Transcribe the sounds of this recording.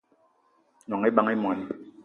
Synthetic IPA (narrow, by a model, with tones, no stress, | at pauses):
nɔ˨ŋe˦ba˦ŋe˦mwa˨ni˦